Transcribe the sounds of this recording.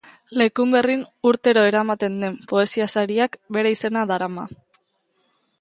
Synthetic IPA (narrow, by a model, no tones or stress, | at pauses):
le̞kumbe̞rinuɾt̪e̞ɾo̞e̞ɾamat̪e̞nd̪e̞mpo̞e̞siasaɾiakbe̞ɾeise̞naðaɾama̰